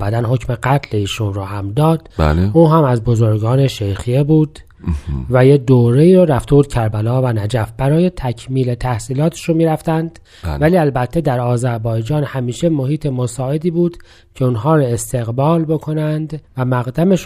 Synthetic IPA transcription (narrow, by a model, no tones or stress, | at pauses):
bæd̪ænɦo̞cme̞ɡæt̪ʰleiːʃunrohæmd̪ɒːd̪̥lʔuːɦæmæzbo̞zo̞ɾɡɒːne̞ʃejxiebuːd̪̥ | væjed̪oːɾeiːɾoɾæft̪ʰebuːd̪̚cʲʰæɾbælɒːvænæd͡ʒæfb̥æɾɒːje̞t̪ʰæcʰmiːlet̪ʰæhsiːlɒːt̪ʰe̥ʃonmiːɾæft̪ænd̪̥ | væliːælbæt̪ʰːe̞d̪æɾɒːzæɾbɒːjed͡ʒɒːnhæmiːʃemo̞hiːt̪ʰemosɒːe̞d̪iːbuːd̪̥ | cʰe̞unɦɒːɾoe̞st̪ʰe̞ɣbɒːlbo̞kʰo̞nænd̪væmæɣd̪æmeʃ